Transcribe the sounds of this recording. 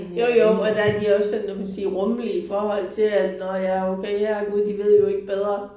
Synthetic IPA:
jojoʊɒ̽d̥ææɐd̥iɒ̽sːɔnnomæsiːʁɔ̽məliəfɒːhɒ̽l̰t͡sʰe̝lædnɒjɑ̈ɐoʊkʰeɪhæɡ̥uð̩̰ˠd̥iʋe̝ð̞̰ˠjo̝e̝ɡ̥əb̥eð̞ˠʁɐ

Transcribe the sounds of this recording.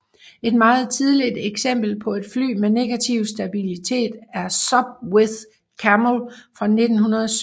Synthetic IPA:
e̝d̥mɑ̈ːð̞̩ˠt͡sʰiðˠlid̥eɡ̥sem̰b̥l̩pʰɒ̽e̝d̥fly̰ːmene̝ɡ̥æt͡sʰiʊsd̥æb̥ilit͡sʰe̝̰ːd̥æɐsɒ̽b̥̚weðˠ | kʰæmlfʁɑ̈ne̝d̥n̩hunɐðˠs

